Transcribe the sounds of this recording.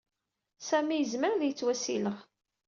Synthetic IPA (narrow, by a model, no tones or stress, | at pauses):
sæmijəzməɾðjət͡sːwæsḭləʁ